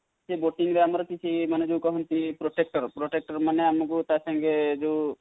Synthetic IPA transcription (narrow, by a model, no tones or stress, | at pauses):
seboʈiŋɾeamɾɔkit͡ʃʰimaned͡ʒeukɔɦɔnt̪ipɾoʈek̚ʈəɾpɾoʈek̚ʈəɾmaneamkut̪asə̃ŋɡed͡ʒo